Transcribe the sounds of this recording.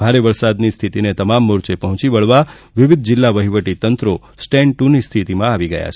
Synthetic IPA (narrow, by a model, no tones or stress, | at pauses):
b̥ʱaɾeʋəɾsad̪nist̪ʰit̪inet̪əmamːʊɾt͡ʃepəɦɔ̃t͡ʃiʋəɭʋa | ʋɪʋɪd̪̚ʱd͡ʒɪlːaʋəɦiʋəʈit̪ənt̪ɾo | sʈeɳʈunist̪ʰit̪imãaʋiɡəja̰t͡ʃʰ